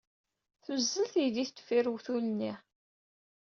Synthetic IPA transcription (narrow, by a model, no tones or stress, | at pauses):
θuzːəlθid̪iθt̪ːfiɾwθulnːi